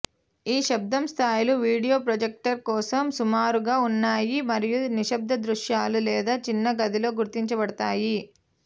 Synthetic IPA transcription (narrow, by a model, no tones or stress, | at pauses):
iːʃɐb̚d̪ɐmst̪ʰaːjluʋiːɽijoːpɾɐd͡ʒek̚ʈɐɾkɔːsɐmsumaːɾuɡaːunːaːjimɐɾijuniʃɐb̚d̪ʱɐd̪ɾuʂjaːlulɛːd̪aːt͡ʃinːɐɡɐd̪ilo̞ːɡuɾt̪iɲt͡ʃɐbɐɽɐt̪aːji